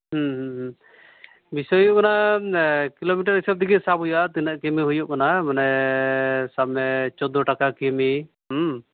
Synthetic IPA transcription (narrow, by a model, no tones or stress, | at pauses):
ɦɦɦ | bisɔjuʔkana | kilomiʈ̬aɾɦisab̚d̪iɡisabʱujuat̪inaʔkɛmiɦujuʔkanamanɛ | sabmɛt͡ʃɔd̪ɔʈakakɛmi | ɦ